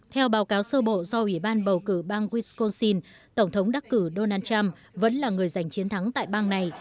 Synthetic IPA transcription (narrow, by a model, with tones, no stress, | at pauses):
t̪ʰɛ˧wɓaː˨˦wkaː˨˦wsəː˧ɓo̰˧˨zɔ˧ʔwi˧˩ɓaː˧nɓə˨˩wkɨ̰˧˩ɓaː˧ŋɣwi˦˥sko˧nsi˧n | t̪ə˧˩wŋ͡mt̪ʰə˨˦wŋ͡mɗa˦˥k̚kːɨ˧˩ɗo˧naː˧nt͡ɕa˧m | və̰˧˥nlaː˨˩ŋɨ˨˩əjza˨˩jŋ̟t͡ɕi˨˦nt̪ʰa˨˦ŋt̪a̰ː˧˨jɓaː˧ŋna˨˩j